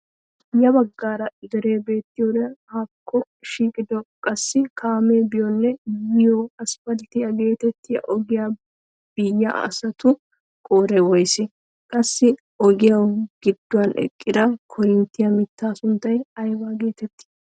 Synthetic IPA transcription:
jɐbɐɡːaːɾɐɪd̪ɛɾe̞ːbe̞ːt̪ːɪjɔd̪haːkʰːɔ | ʃiːkʼɪd̪ɔkʼɐsːɪkʰaːmeːbɪjɔnːɛjɪjɔɐsfɐlt̪ɪjɐɡe̞ːt̪ɛt̪ːɪjɐ̰ʔɔɡɪja | b̥ɪjːɐ̰ɐ̰sɐt̪ʊ | kʼoːɾɛwɔjsɪ | kʼɐsːɪ | ɔɡɪjɐwɡ̥ɪd̪ːʊwɐnʔɛ̰kʼːɪd̪ɐkʰɔɾɪnt̪ːɪjɐmɪt̪ːaːsʊnt̪ːɐjɐjbaːɡe̞ːt̪ɛt̪ːɪ̥

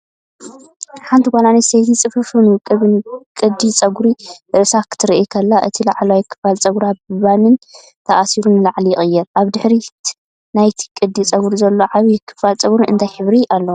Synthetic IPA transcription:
ħant̪ʰiɡʷalanist̪ejt̪ʰit͡sʼɨfɨfɨnukʼɨβɨnkʼɨd̪ːit͡sʼɐɡuɾibɨʔɨsakʰːɨ̥t̪ʰɨɾʔikʰɐlːaʔɨ̰t̪ʰilaʕlwajkʰːɨ̥falt͡sʼɐɡɾabɨβanɨn | t̪ʰɐʔasiɾunɨlaʕliɪχʼɨjːɛɾʔaβd̪ɨħɾi | najt̪ʰi̥kʼɨd̪it͡sʼɐɡuɾizɐlːo̞ʕaβijɪkʰːɨ̥falt͡sʼɐɡuɾɨɨ̰nt̪ʰajħɨβɾiʔalːɐ

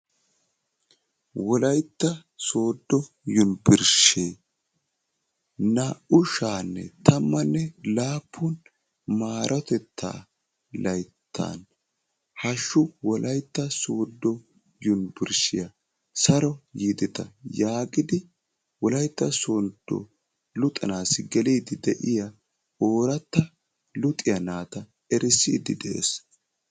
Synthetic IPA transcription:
wɔlɐjt̪ːɐ | so̞ːd̪ːɔ | jʊnbɪɾʃeː | nɐʊʃaːnːɛ̰t̪ʰɐmːɐnːɛlaːpʰːʊn | maːɾʔɔt̪ɛt̪ʰːa̰ː | lɐjt̪ʰːa̰ːn | hɐʃːʊwɔlʔɐjt̪ːɐsoːd̪ːɔ | jʊnbɪɾʃɪjɐ | sɐɾɔjiːd̪ɪt̪ɐjaːɡɪd̪ɪ | wɔlɐjt̪ːɐsoːnd̪̥ːɔ̰ | lʊt̪ʼɐnaːsɪɡɛliːd̪ɪd̪ɛʔɪjɐ | oːɾɐt̪ːɐ | lʊt̪ʼːɪjɐnaːt̪ɐ | ɛɾɪsḭːd̪ɪd̪ɛʔḛːs

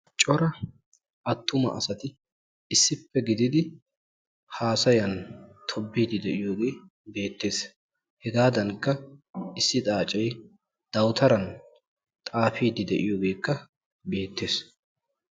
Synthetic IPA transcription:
t͡ʃʼɔɾɐ | ʔɐt̪ːʊmɐ̰ʔɐ̰sɐt̪ɪ | ɪsːɪpːɛɡɪd̪ɪd̪ɪ | haːsɐjɐnt̪ʰɔbːiːd̪ɪd̪ɛʔɪjoːɡe̞ː | be̞ːt̪ːe̞ːs | hɛɡaːd̪ɐŋkːɐɪsːɪt̪ʼaːt͡ʃʼɛj | d̪̥ɐwt̪ʰɐɾɐn | t̪ʼaːfiːd̪ɪd̪ɛʔɪjoːɡe̞ːkːɐ | be̞ːt̪ːe̞ːs

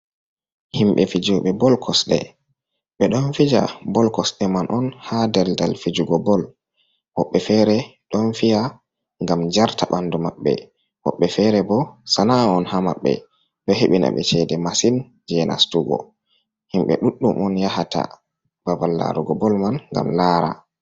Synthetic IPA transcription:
himɓɛfid͡ʒuɓɛbɔlkʰɔsɗɛ̰ | ɓɛɗɔnfid͡ʒa̰bɔlkɔsɗɛmanʔɔnhadɛldalfid͡ʒuɡɔbɔl | hɔɓːɛfɛɾɛɗɔnfija | ŋɡamd͡ʒaɾtaɓandumaɓːɛ̰ | hɔɓːɛfɛɾɛbɔsanaɔnhamaɓːɛ̰ | ɗɔheɓina̰ɓɛt͡ʃɛdɛmasin | d͡ʒɛna̰stuɡɔ̰ | himɓɛ̰ɗuɗːumʔɔnjahatʰa̰ | b̥abalːa̰ɾuɡɔbɔlmanŋɡa̰mlaːɾa̰

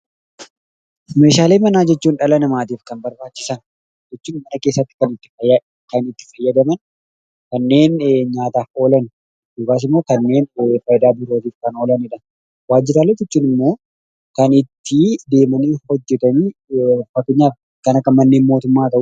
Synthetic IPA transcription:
me̞ːʃaːle̞ːmɐnaːd͡ʒɛt͡ʃːuːnᶑɐlɐnɐmaːt̪̬iːfkɐnbɐɾbaːt͡ʃːɪsɐn | d͡ʒɛt͡ʃːuːnmɐnɐke̞ːsːɐt̪ːɪ̥kɐnɪt̪ːɪ̥fɐ | kɐnɪt̪ːɪ̥fɐjːɐd̪ɐmɐn | kɐnːe̞ːnɲaːt̪aːfo̞ːlɐnʊ | d̪ʊkaːs̬ɪmːo̞ːkɐnːe̞ːnfɐjd̪aːbɪɾoːt̪iːfkɐno̞ːlɐnɪᶑɐn | waːd͡ʒːɪɾaːlet̪ɪt͡ʃːuːnɪmːo̞ː | kɐnɪt̪ːɪd̪e̞ːmɐniːhɔd͡ʒːɛt̪ɐniːfɐkːɛɲːaːf | kɐnɐkɐnmɐnːe̞ːnmo̞ːt̪ʊmːaːt̪ɐʔ

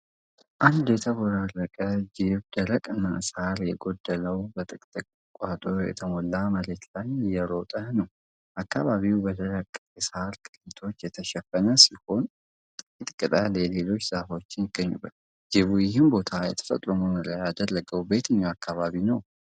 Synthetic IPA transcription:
ʔand̪jɛt̪ʰəβoɾarːəkʼəd͡ʒɪβd̪əɾəkʼɨnːasaɾjɛɡo̞d̪ːələwbət̪ʼɨkʼt̪ʼɨkʼ | kʼat̪ʼojɛ̰t̪ʰəmolːaməlet̪lajɪjɛɾot̪ʼənəw | ʔakːaβaβiwbəd̪ʰələkʼːɛsaɾkʼɨ̥lit̪ʰo̞t͡ʃːjɛt̪ʰəʃɛfənəsiho̞n | t̪ʼkɪt̪ʼkʼɨt̪ʼallelo̞t͡ʃːsafo̞t͡ʃːɪnjɪɡːəɲːṵbːət̪ | d͡ʒɪβujɪɦɪmbo̞t̪ʰajɛ̰t̪ʰə̥fət̪ʼɾomonəɾajad̪əlːəɡəwbe̞t̪ʰɨɲːawakʰːaβaβinəw

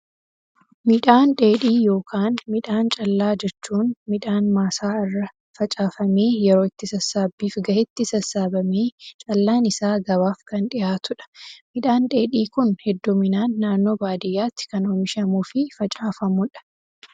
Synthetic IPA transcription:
mɪᶑaːnᶑe̞ːᶑiːjo̞ːkʰaːnmɪᶑaːnt͡ʃʼɐlːaːd͡ʒɛt͡ʃːuːnmɪᶑaːnmaːsaːɪrːɐ | fɐt͡ʃʼaːfɐme̞ːjɛɾo̞ːɪt̪ːɪsɐsːaːbːiːfɡɐʔɪt̪ːɪsɐsːaːbɐmeːt͡ʃʼɐlːaːnɪsaːɡɐβaːfkɐnᶑɪjaːt̪ʊᶑɐ̥mɪᶑaːnᶑe̞ːᶑiːkʊnhɛd̪ːuːmɪnaːnːaːnːo̞ːbaːd̪ɪjːaːt̪ːɪ̥kɐnoːmɪʃɐmuːfɪfɐt͡ʃʼaːfɐmʊᶑɐ̥

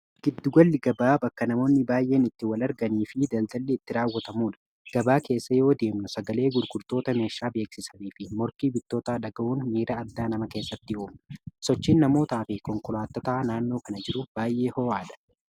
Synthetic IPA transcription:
ɡ̥ɪd̪ːʊɡɐlːɪɡɐbaːbɐkːɐnɐmo̞ːnːɪbaːjʔe̞ːnɪt̪ːɪwɐlɐɾɡɐniːfɪd̪ɐld̪ɐlːɛːt̪ːɪɾaːwːɐt̪ɐmuːᶑɐ̥ | ɡ̥ɐbaːke̞ːsːɐjo̞ːd̪e̞ːmnʊsɐɡɐle̞ːɡʊɾɡʊɾt̪o̞ːt̪ɐme̞ːʃːaːbe̞ːksɪsɐniːfɪmɔɾkiːbɪt̪ːo̞ːt̪aːᶑɐɡɐʔuːnmiːɾɐɐd̪ːaːnɐmɐke̞ːsːɐt̪ːɪoːmɐ̥sɔt͡ʃːiːnːɐmo̞ːt̪aːfɪkɔŋkʊlaːt̪ːɔt̪aːnaːnːo̞ːkɐnɐd͡ʒɪɾʊbaːjʔe̞ːhɔaːᶑɐ̥

